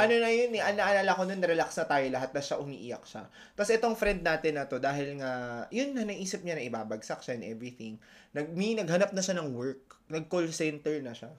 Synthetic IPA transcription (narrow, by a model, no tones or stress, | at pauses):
ʔɐno̞nɐjonɛʔɐnːɐʔɐnalɐkononːɐɾɛlaksnɐt̪aːjolɐɦat̪̚nɐʃaʔʊmḭːʔɪjɐ̰k̚ʃa̰ | t̪ɐsʔɛt̪o̞ŋfɾɛnd̪̚naːt̪ɪnːɐt̪o̞d̪aːɦɪlŋajʊnːɐnɐʔiːsɪp̚ɲanɐʔɪbaːbɐɡsɐk̚ʃaɛnʔɛ̰vɹiθɪŋ | nɐɡ̚minɐɡhɐnap̚nɐʃanɐŋwɛɹk̚nɐɡ̚kolsɛnt̪ɛɹnɐʃa